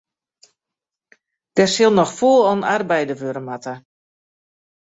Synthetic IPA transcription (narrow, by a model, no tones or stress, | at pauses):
d̥ɛsɪlˠnɔxfuəlˠɔnarbɛjdəʋøɾəmatə